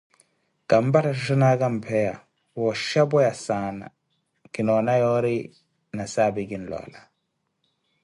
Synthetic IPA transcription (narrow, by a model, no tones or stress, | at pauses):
ɡ̥ambataʃ̬ʃinaɡampʰɛja̰ | wɔʃabɔjasana̰ | kinɔnajɔɾi | nasaːbiɡinlɔ̰la